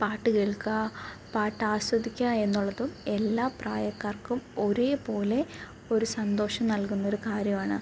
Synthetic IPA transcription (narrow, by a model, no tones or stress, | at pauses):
paːʈːɨkeɭkɐpaːʈːaːɕʋɐd̪ikʲːae̞nːuɭːɐðume̞lːaːpraːjɐkːaːrkumo̞ɾepo̞ːle̞ | o̞ɾusɐnd̪o̞ːʂɐmnɐlkunːɐoɾukaːɾjɐmaːɳɨ